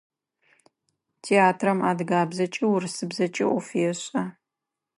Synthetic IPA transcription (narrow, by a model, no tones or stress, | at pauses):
tʰeːaːtʰrɐmaːdɡaːbzɐt͡ʃʼɪwrsɨbzɐt͡ʃʼɪ̰ʔʷɔfjɛɕʼɐ